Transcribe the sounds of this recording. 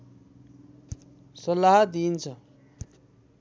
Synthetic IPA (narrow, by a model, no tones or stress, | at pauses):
sʌlaɦad̪iːnt͡sʰʌ